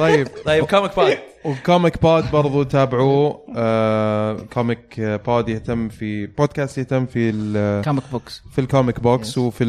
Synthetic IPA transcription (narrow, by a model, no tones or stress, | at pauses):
t̪ˤɑjːɪbt̪ˤɑjːb̚koːmɪk̚bɑːd̪ | wkoːmɪkbaːd̪bɑɾˤðˤut̪aːbɪʕu | kʰomɪkbaːd̪jɪht̪amːfib̥oːd̪̚kaːst̪jɪht̪amːfilomɪkboːksfilkomɪkboːkswfi